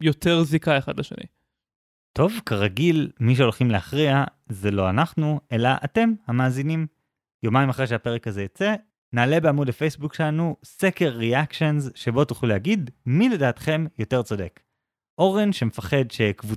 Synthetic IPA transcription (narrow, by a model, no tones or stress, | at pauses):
jo̞t̪eʁzikaeχadleʃḛnḭ | to̞vkaʁaɡilmiʃ̬eo̞lχimlehaχʁiazelo̞anaχnue̞laʔate̞mhamaːzinim | jomaimaχʁejʃeape̞ʁekaze̞jot͡se̞ | naːle̞be̞amudafejsbukʃelanusekeʁːeakʃo̞nzʃe̞bo̞tuχluleɦaɡidmile̞daːtχe̞mjo̞te̞ʁt͡so̞de̞k | ʔo̞ʁenʃemefaχe̞dʃe̞kvu